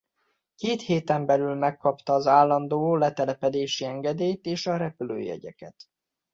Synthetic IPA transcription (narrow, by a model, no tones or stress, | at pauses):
keːt̪heːt̪ɛmbɛlylmɛkːɒpt̪ɒːzaːlːɒnd̪oːlɛt̪ɛlɛpɛd̪eːʃiɛŋɡɛd̪eːjt̪eːʃɒɾɛpylø̰ːɛ̰ɟɛ̰kɛt̪